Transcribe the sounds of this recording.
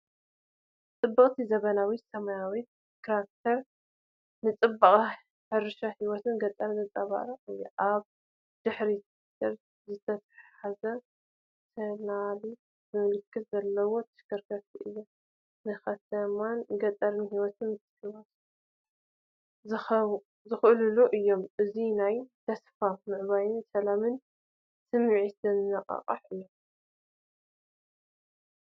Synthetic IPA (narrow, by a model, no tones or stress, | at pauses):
t͡s̪ʼɨbːɨχʼt̪ʰizɐβɐnawit̪sɐmɐjawit̪̚ | kɾak̚t̪ʰɐɾ | nɨt͡sʼɨbːɨχʼ | ħɨɾɨʃahiwɔt̪ʰɨnɡɐt̪ʼːɐɾzɨt͡sʼɐβa̰ɾɐɨjːoʔaβ | d̪̥ɨħɾi | d̪ɐɾ | zɨt̪ʰɐt̪ʰḁħazɐ | t̪ʰɐnali | zɨmɨlɨkʰːɨt̪zɐlːɐwo̞t̪ʰɨʃkɐɾkʰɐɾt̪ʰiʔɨjːo | nɨxɐt̪ʰɐmanɡɐt̪ʼɐɾnihiwɔt̪ʰɨmɨt̪ʰɨ̥hɨβat̪ | zɨxʔluluʔɨjːo̞mʔɨzinajt̪ʰɐsfamɨʕβajɪnsɐlamɨn | sɨmʕisɨnːɐqʼɐ̰qʼɐ̰ħɨjːom